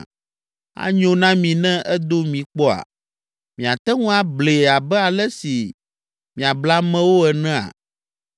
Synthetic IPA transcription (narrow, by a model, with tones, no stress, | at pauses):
a̰˦ɲõ˦nã˦mĩ˨nɛ̃˦ʔɛ˦d̪o˦mĩ˨k͡pɔ˦a̰˨ | mĩ˨a˨t̪ɛ˦ŋũ˦a˨ble˨a˨bɛ˦a˨lɛ˦si˨ | mĩ˨a˨bla˦mɛ̃˦wo˦ɛ˨nɛ̃˦a̰˨